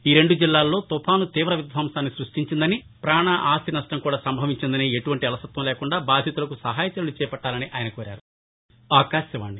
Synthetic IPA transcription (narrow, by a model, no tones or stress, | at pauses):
iːɾe̞ɳɖud͡ʒilːaːlːo̞ːt̪upʰaːnut̪iːʋɾɐʋid̪ʱʋɐːmsaːnːisɾuʂʈiɲt͡ʃind̪ɐni | pɾaːɳɐʔaːst̪inɐʂʈɐŋkuːɽaːsɐmbʱɐʋiɲt͡ʃind̪ɐneːeʈuʋɐɳʈiɐlɐsɐt̪ʋɐmleːkuɳɖaːbaːd̪ʱjɐt̪ulɐkusɐɦaːjɐt̪jɐlut͡ʃɛːpɐʈːaːlɐniʔaːjɐnɐkuʋɐɾa̰ːɾu | aːkaːʃjɐʋa̰ːɳɖi